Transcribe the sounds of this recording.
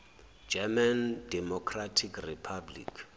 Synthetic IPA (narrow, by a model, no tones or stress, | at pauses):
d͡ʒɛmandɛmɔkʰratʰikʰripʰablḭkʰ